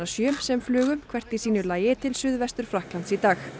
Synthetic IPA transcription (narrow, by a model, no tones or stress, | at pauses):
asjœːmsɛmflʏːɣʏmkʰv̥ɛr̥t̪isiːnʏlaːjɪt̪ʰɪlsʏðvɛst̪ʏɾ̥fɾahklant̪sit̪aːx